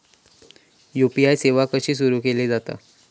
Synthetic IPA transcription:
jupiajseʋakəɕiːs̬uɾuːkeled͡zat̪a̰

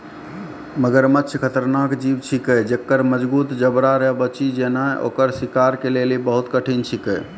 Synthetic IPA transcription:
məɡəɾmətːt͡ʃʰkʰət̪əɾnakd͡ʒibt͡ʃʰikəd͡ʒekːəɾməd͡ʒbut̪d͡ʒəbɾaɾɛbət͡ʃid͡ʒenaeʔo̰kəɾsikaɾkelelibəɦut̪kəʈʰint͡ʃʰikəj

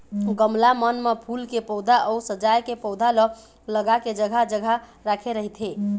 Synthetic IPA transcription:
ɡəmlamənmepʰulkepɔwd̪ʱaʔɔusəd͡ʒajkepɔʊd̪ʱalə | ləɡaked͡ʒəɡʱad͡ʒəɡʱaɾakʰeɾəɦit̪ʰɦe

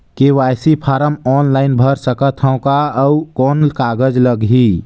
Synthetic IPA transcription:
keʋajsipʰaɾəmɔːnlaɪnbʱəɾsəkət̪ʰə̃ʊ̃kaəukɔːnlkaɡəd͡ʒləɡɦi

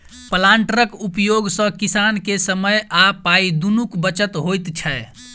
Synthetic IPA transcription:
pəlaɳʈɾəkupjoɡsə̃kisankesəməjapaid̪unukbət͡ʃət̪ɦojt̪t͡ʃʰɛ

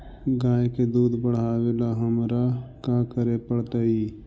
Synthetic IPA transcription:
ɡaːeked̪uːd̪bəɽ̤aːʋelaːɦəmɾaːkãːkəɾepəɽt̪aːiː

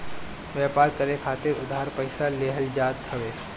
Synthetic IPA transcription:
ʋjɛːpaːɾkəɾekʰaːt̪ɪɾʊd̪ʱɦaɾpəɪsaleːɦəld͡ʒaːt̪ʰhəʋeː

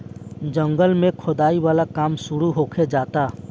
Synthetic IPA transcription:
d͡ʒə̃ŋɡəlmẽkʰʊd̪aːiwaːlakaːmsʊɾuɦoːkʰed͡ʒaːt̪aː

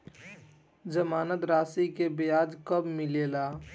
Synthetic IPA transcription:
d͡ʒəmaːnət̪ɾaːsikebejaːd͡ʒkəbmɪleːlaː

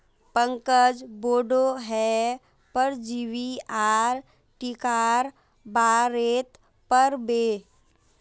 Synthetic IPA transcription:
pə̃ŋkəd͡ʒboːɖoɦɛ | pəɾd͡ʒiʋiaːɾ | ʈikaːɾ | baːɾeːt̪ | pəɾbeː

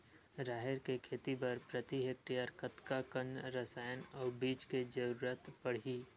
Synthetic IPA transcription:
ɾaːɦeɾkekʰeːt̪ibɐɾpɾət̪iɦek̚ʈijaɾkət̪kakənɾəsaːjənɔːɾbiːt͡ʃked͡ʒəɾuːɾət̪pɐɽ̤iː

